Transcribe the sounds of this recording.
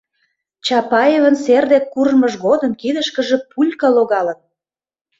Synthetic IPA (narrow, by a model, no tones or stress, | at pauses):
t͡ɕɑpɑjevə̆nserd̪ekːurməʒɣod̪ə̆mkid̪əʃkə̆ʒĕpulʲkɑloɣɑlə̆n